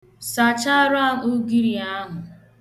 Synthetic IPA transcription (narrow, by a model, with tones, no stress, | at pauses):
sa˨t͡ʃa˦ɾa˦ʊ˦ɡi˦ɾi˨a˦ɦʊ˨